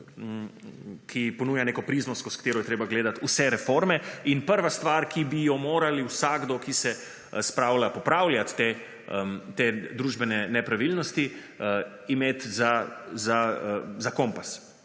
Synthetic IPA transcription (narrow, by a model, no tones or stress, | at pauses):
kʰipɔnuːjaneːkɔpɾizmɔskɔskt̪eːɾɔjɛt̪ɾeːbaɡleːd̪at̪usɛɾɛfoɾmɛinpəɾʋast̪ʋaɾkibijɔmoːɾaliwsaɡd̪ɔkisɛ | spɾawlʲapɔpɾawljat̪ːe | t̪ed̪ɾuːʒbɛnɛnɛpɾaʋilnɔst̪i | imeːt̪zazazakɔ̃mpas